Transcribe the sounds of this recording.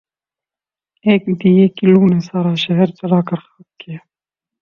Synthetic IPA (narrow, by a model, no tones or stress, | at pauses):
eːkd̪ijeːkiluːnesaːɾaːʃɐɦɛɾd͡ʒɐɾaːkɐɾxat̪̚kijaː